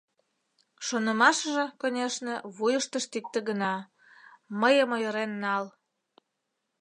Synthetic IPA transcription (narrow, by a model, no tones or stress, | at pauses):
ʃonə̆mɑʃəʒĕkonʲeʃnĕβujəʃt̪əʃt̪ik̚t̪ə̆ɣənɑ | məjəmojəɾenːɑl